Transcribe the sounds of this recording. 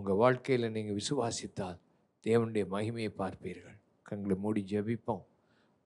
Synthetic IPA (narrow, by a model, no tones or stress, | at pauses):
ʊŋɡɐʋaːɻkɐjɪlɐniːŋɡɐɭʋɪsɯʋaːsɪt̪ːaːl | d̪̥eːʋɐnɯɽɐjɐmɐɣɪmɐjɐɪpːaːɾpiːɾɣɐɭ | kɐŋɡɐɭɐmuːɽid͡ʒɐbɪpːõː